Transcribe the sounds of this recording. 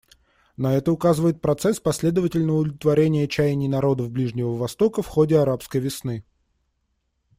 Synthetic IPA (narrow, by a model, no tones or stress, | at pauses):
nɐɛt̪əʊkazɨvəjɪt̪̚pɾɐt̪sɛspɐsʲlʲe̞d̪əvətʲɪlʲnəʊd̪əvlʲɪt̪vɐɾʲenʲɪjət͡ɕæjnʲɪjnɐɾo̞d̪əvblʲiʐnʲɪvəvɐst̪o̞kəfxodʲɪɐɾapskəjvʲɪsnɨ